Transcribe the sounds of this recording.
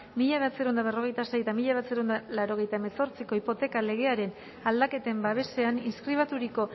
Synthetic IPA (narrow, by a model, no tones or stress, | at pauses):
miʎaβeat͡seɾond̪aβ̞e̞ro̞ɣ̞e̞jt̪asejt̪amiʎaβeat͡seɾond̪alaɾo̞ɣ̞e̞jt̪ae̞me̞so̞ɾt͡siko̞ipo̞t̪e̞kale̞ɣ̞e̞aɾe̞n | ald̪ake̞t̪e̞mbaβ̞e̞se̞aninskɾiβ̞at̪uɾiko̞